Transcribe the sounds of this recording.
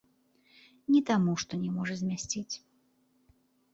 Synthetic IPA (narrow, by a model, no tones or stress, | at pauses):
nʲit̪amuʂt̪ɔnʲɛmɔʐɐzʲmʲasʲt͡sʲit͡sʲ